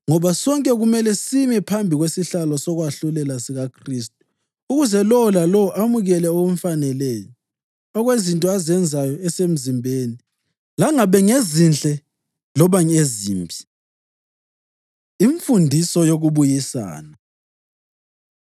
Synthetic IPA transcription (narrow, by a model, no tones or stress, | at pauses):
ŋɔβasɔŋkʼɛɣumɛlɛsimipʰambʱiɣwesiɬalɔsɔɣwaɬulɛlasiɣakʰristʼu̥ | uɣuzɛlɔlalɔʔamuɣɛlɛɔɣm̩fanɛleːjɔ | ɔɣwezintʼɔazɛnd͡zʱajɔɛsem̩zimbʱeːni | laŋaβɛŋezint͡ɬʼɛ | lɔβaɲezḭːmbʱi | iɱfundʱisɔjoɣuβujisa̰ːna